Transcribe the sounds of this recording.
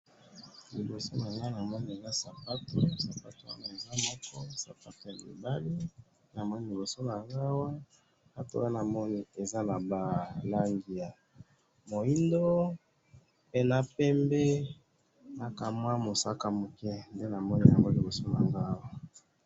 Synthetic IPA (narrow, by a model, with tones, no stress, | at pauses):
li˨bo˨so˦na˨ŋɡa˦˨a˨mɔ˦ni˨e˨za˦sa˨pa˦to˦sa˨pa˦to˨wa̰˦na˨e˨za˦mɔ˦kɔ˦sa˨pa˦to˨ja˨lḭ˨ba˦li˦ | na˨mɔ˦ni˦li˨bo˨so˦na˨ŋɡa˦wa˦ | a˦to̰˦wa˦na˨mɔ˦ni˦e˨za˦na˨ba˨la˦ŋɡi˨a˨ | mo˨i˦ndo˦ | pe˦na˦pɛ˦mbɛ˦ | na˦ka˨mwa˦mo˨sa˦ka˦˨mo˨kɛ˦nde˦na˨mɔ˦ni˦ja˨ŋɡo˦li˨bo˨so˦na˨ŋɡa˦wa˦